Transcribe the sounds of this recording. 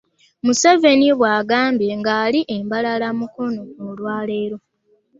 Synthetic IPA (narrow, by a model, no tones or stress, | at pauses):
museve̞niβwaːɡaːmbje̞ŋɡaːliʔembalalamuko̞no̞nolwaːle̞ːɾo